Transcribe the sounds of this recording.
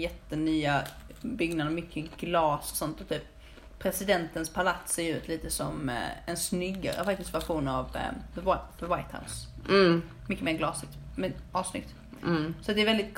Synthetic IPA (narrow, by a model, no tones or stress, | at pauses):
jɛt̪ːənyːa | bʏɡnad̪mʏkʰːəɡlɑːsɔ̥sɔnt̪ɔt̪ʰyːp | pʰɾɛsɪd̪ɛnt̪ənspʰalat̪seːɾjʉ̟ːt̪liːt̪əsɔmɛnsnʏɡːa̰ɾə̰fakt̪ɪsfaɧuːnav̰ðəwaðəwajt̪ha̰ʊs | mʏkːəmeːɾɡlɑːsɪkt̪mɛnɑːvsnʏ̰k̚t̪ | sɔat̪̚d̪ɛɾvɛld̪ɪt̪̚kʰ